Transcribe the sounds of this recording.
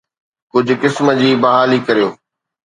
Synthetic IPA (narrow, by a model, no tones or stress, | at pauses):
kʊd͡ʑʱʊ̆kɪsmə̆d͡ʑiːbɐɦaːlikɐɾijoː